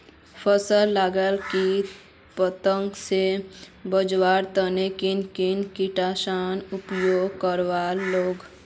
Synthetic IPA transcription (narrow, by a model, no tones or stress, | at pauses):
pʰəsəlːaːɡəlki | pət̪ə̃ŋɡsebəd͡ʒwaːɾt̪ənekɪnkɪnkɪʈaːʃaːnʊpjoːɡ̚kəɾʋaːlːoːɡ